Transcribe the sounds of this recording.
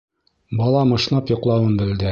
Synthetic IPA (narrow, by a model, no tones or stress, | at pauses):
bɒlˠɑmɤ̆ʃnɑpjŏqlˠɑwɤnbɘ̆ld̪ɘ